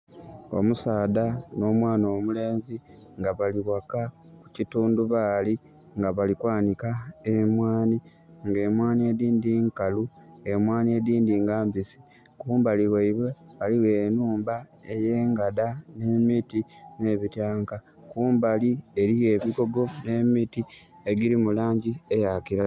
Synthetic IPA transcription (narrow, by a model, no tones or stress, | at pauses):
o̞̰musaːdano̞ːmwaːno̞ːmule̞ːnziŋɡaβaliɣwakaku̥cituːnduβali | ŋɡaβalikwaːnikaemwaːni | ŋɡe̞ːmwaːnie̞diːndiŋkalue̞mwaːnie̞diːndiːŋɡaːmbisi̥ | kuːmbaliɣeiβwe̞βaliɣe̞ːnuːmbaeje̞ːŋɡadane̞mitine̞ːβitjaːŋka | kuːmbalie̞ɾiɣe̞βiɡo̞ɡo̞ne̞miti | e̞ɡiɾimulaːɲɟiejakiɾa